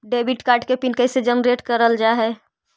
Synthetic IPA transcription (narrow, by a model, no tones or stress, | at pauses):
ɖebiʈkaːɾɖkepinkəised͡ʒənɾeʈkəɾəld͡ʒaɦɛ